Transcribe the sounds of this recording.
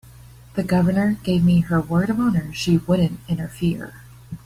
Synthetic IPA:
ðɨɡʌvə˞nə˞ɡ̥eɪvmiə˞wɜ˞ɾʌvɑ̃nə˞ʃiwʊdⁿn̩tɪ̃ñə˞fɪɹ

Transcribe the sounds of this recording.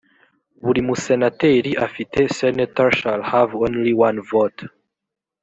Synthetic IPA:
wuɾimusɛnatɛɾiʔafitesɛnatɔɹʃalhavɔ̃nliwãnvot

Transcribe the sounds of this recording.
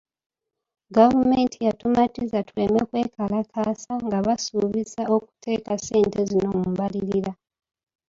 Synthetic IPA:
ɡavumentʰijatumatizatulemekwe̞ːkʰalakʰaːsaŋɡaβasuβisao̞ku̥tʰe̞ːkase̞ːntezino̞mumβaliɾiɾa

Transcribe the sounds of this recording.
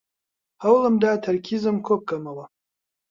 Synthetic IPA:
hawlɨmdaːtʰɐɾkʲʰizɨmkʰok̚ɡɐmɐwa

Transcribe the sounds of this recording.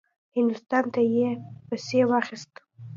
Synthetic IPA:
hɪnd̪ʊst̪ɑnt̪ajepasewɑxist̪

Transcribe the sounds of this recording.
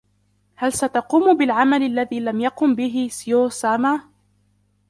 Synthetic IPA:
halsat̪ɑquːmbɪlʕamalalːaðiːlamjɑqʊmbɪɦɪsɪjoːsaːmaː

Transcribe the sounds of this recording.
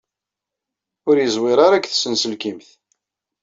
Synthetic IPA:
ʊɾjəzˤwɪɾˤɑɾækːθsənsəlkimθ

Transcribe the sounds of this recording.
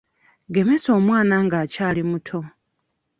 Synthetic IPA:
ɡe̞me̞so̞ːmwaːnaŋɡaːcaːlimutʰo̞

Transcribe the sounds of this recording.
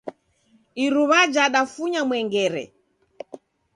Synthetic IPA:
iɾuβad͡ʒaɗafuɲamwɛŋɡɛɾɛ̰

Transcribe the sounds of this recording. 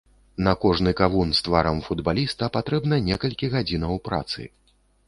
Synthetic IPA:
nɐkɔʐnɨkavunst̪vaɾɐmfud̪balʲist̪ɐpat̪ɾɛbnɐnʲɛkɐlʲkʲiɣad͡zʲinɐwpɾa̰t̪sɨ̰

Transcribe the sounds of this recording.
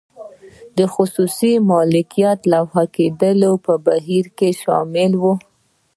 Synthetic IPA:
d̪əxʊsusimɑlɪkijat̪lawhaked̪əlopəbaɦiɾkeʃɑ̰mɪlwu

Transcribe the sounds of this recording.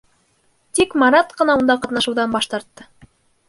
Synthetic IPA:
t̪ikmɑɾɑt̪qɤ̆nɑund̪ɑqɑt̪nɑʃŭwðɑnbɑʃt̪ɑɾt̪ːɤ

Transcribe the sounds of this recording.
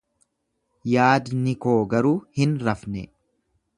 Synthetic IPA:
jaːd̪nɪko̞ːɡɐɾuːhɪnɾɐfnɛ̰

